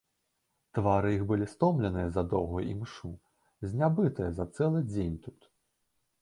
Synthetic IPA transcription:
t̪vaɾɨjixbɨlʲist̪ɔmlʲɛnɨjɐzɐd̪ɔwɣujʔḭmʂu | zʲnʲabɨt̪ɨjɐzɐt̪sɛlˠɨd͡zʲenʲt̪u̥t̪

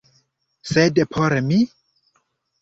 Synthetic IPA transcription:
sedepʰoɾemi

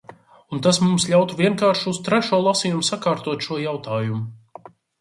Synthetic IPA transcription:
unt̪asmumslʲawt̪uvʲiɛŋkaːɾʃust̪ɾɛʃuɔlˠasiːjumsakaːɾt̪uɔt̪ʃuɔjawt̪aːjumʊ

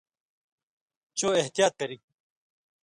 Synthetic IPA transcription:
t͡ɕoːeht̪ijaːt̪ːɐɾiːk̚

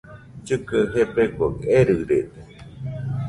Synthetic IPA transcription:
t͡ʃɨkɨɦepekʷoeɾɨɾet̪e̥

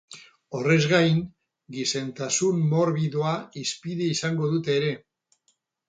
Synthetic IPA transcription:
o̞re̞zɣajŋ | ɡise̞nt̪asunmo̞ɾβiðoaispiðeisaŋɡo̞ðut̪e̞ːɾe̞

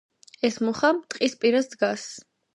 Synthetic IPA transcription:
ɛsmuχamt̪ʼqʼispʼiɾasd̪ɡas

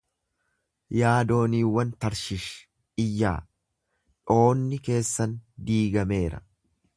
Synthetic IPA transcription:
jaːd̪o̞ːniːwːɐnt̪ɐɾʃɪʃ | ɪjːaː | ᶑo̞ːnːɪke̞ːsːɐnd̪iːɡɐme̞ːɾɐ̰

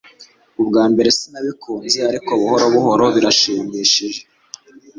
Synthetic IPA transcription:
ubɡaːmbe̞ɾe̞sinaβikʰuːnziaɾikoβuhoɾoβuɦo̞ɾo̞βiɾaʃiːmiːʃiʒe

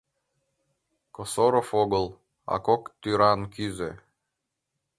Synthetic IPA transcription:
kosoɾofoɡə̆lˠ | ɑ̰kokt̪yɾɑnkyze

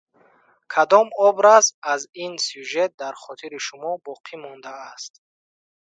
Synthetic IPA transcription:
kʰad̪ɔmɔbɾazazinsuʒet̪̚d̪aɾχɔt̪ʰiɾiʃumɔbɔqʰimɔnd̪aːst̪

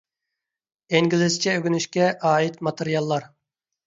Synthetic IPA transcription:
eŋɡʲilɪzt͡ʃʰɛøɡʲynyʃkʲɛʔɑːit̪mɑt̪ʰɨɾijɑlˠːɑɾ

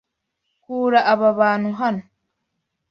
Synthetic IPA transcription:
kuːɾaʔːβaβaːn̥huɦano

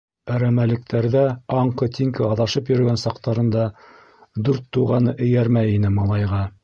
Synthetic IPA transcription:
æɾæmælɘ̆k̚t̪ʰæɾðæɑɴqɤt̪ʲiŋkɘɑðɑʃɤpjɵ̆ɾɵ̆ɡænsɑqt̪ɑɾɤ̆nd̪ɑ | d̪ʉɾt̪ːuʁɑnɤʔɘ̆jæɾmæjinɘmɑlˠɑjʁɑ

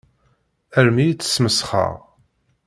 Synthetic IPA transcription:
æɾmijt͡sːə̥sməsχə̰ʁ

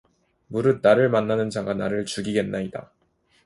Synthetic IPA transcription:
muɾɯd̚naɾɯɭmanːanɯnd͡ʑaɡanaɾɯɭt͡ɕuɡiɡe̞nːaida̰

